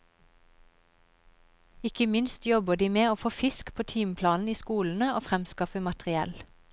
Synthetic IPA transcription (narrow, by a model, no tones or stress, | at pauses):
ɪkəmɪnst̪jɔbəd̪iːmeːoːfoːfɪskpʰoːt̪ʰiːmpʰlɑːnn̩iːskuːln̩əoːfʁɛmskɑfəmɑt̪ʁɪɛ̰l